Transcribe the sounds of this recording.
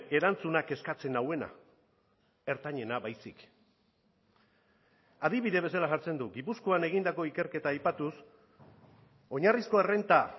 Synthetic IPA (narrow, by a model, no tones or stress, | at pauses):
e̞ɾant͡sunake̞skat͡se̞nawe̞na̰ | e̞ɾt̪aɲe̞naβajsik | aðiβiðe̞β̞e̞salaʝaɾt͡se̞nd̪uɡipuskoane̞ɣ̞ind̪ako̞ike̞ɾke̞t̪aːjpat̪us | o̞ɲarisko̞ere̞nt̪a